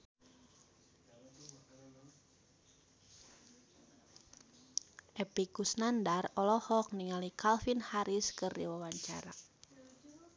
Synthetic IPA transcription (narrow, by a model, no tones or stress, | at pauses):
ʔɛpikusnandarɔlɔhɔk̚niŋalikʰalfinhaɾiskɨrdḭwawaɲt͡ʃa̰ɾa̰